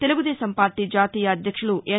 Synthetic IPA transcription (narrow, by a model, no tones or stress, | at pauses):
t̪e̞luɡud̪ɛːʃɐmpaːɾʈid͡ʒaːt̪iːjɐːd̪ʱjɐkʂɐɭuʔe